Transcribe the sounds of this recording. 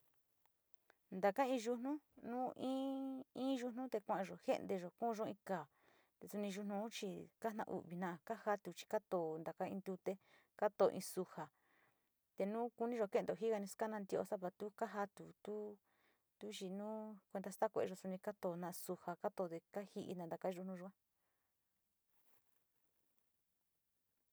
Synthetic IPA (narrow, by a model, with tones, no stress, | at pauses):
nd̪a˨ka˦ĩ˧ʒu˧nũ˦nũː˦ʔĩ˦ĩː˦ʒu˧nũ˦t̪e˧kʷã˧˨ã˧ʒo˨hḛ˦ʔnd̪e˧ʒo˨kũ˦˧ʒõ˦˧ĩ˧kaː˨ | t̪e˧su˧nĩ˧ʒu˧nũ˧˦t͡ʃi˧ka˦nã̰˧ʔṵ˨βi˧nã˧ʔa˧ka˦ha˦t̪u˨t͡ʃi̥˧ka˦t̪o˨nd̪a˨ka˦ḭ̃˧nd̪u˧t̪e˦ | ka˦t̪o˧˨˧ʔĩ˧su˧ha˨ | t̪e˧nũː˦ku˧nĩ˦ʒo˨ke˦nd̪o˨ɦi˦ɣa˧nĩ˧ska˦nã˧nd̪i˧ʔo̰˧sa˦βa˧t̪u˦ka˦ɦa˧t̪u˨t̪u˦ | t̪u˦ʒi˧nũː˦kʷe˧nd̪a˧st̪a˦kʷe˧e˧ʒo˧su˧nĩ˧ka˦t̪o˧˨˧nã˧ʔsu˧ha˧ka˦t̪o˧˨ðe˧ka˦hi˧ʔḭ˧nã˧nd̪a˧ka˦˧ʒu˧nũ˧ʒo˧˦a˦